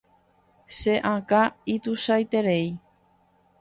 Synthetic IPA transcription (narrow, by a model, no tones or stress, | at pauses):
ʃeʔãkait̪uʃajt̪eɾej